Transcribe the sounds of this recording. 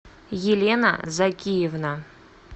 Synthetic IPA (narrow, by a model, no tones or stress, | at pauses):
jelʲena̰zakʲijevna